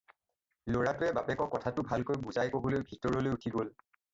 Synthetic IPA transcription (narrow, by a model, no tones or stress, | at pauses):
loɹatʊɛbapɛkɔkːɔtʰatʊbʱalkojbuzajkobolojbʱitɔɹɔlojutʰiɡol